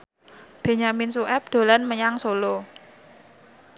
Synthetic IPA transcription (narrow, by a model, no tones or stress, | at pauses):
b̥e̤ɲaminsuʔɛp̚d̪̥o̤lanməɲaŋsolo